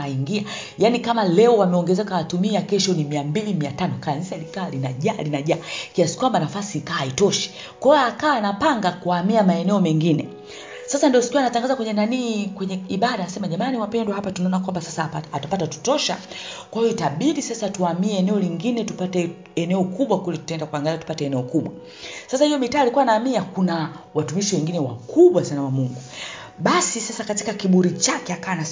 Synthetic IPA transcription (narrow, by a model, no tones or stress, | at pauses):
aiŋɡia | janikamalɛɔwamɛɔŋɡɛzɛkaatumiakɛʃɔnimiambilimiatanɔkanzialikaːlinaʄalinaʄaːkiasi̥kwambanafasiːkaːaitɔʃi̥ | kwaɛjɔakaːnapaŋɡakuamiamaɛnɛɔmɛŋɡinɛ | sasandiɔsi̥kiwanataŋɡazakwɛɲɛnaniːkwɛɲɛiɓaɗanasɛmaʄamaniwapɛnduhapatunaɔnakwambasasaatapatatu̥tɔʃa̰kwahijɔitaɓiɗisasatuamiɛɛnɛɔliŋɡinɛtupatɛ | ɛnɛɔkuɓwakulitu̥taɛndakuaŋɡaliatu̥patɛɛnɛɔkuɓwa | sasahijɔmitaːlikuwanaːmiakuna | watumiʃiwɛŋɡinɛwa̰kʰuɓwasanawamuŋɡu | ɓasisasakatikakiɓuɾit͡ʃakɛakawana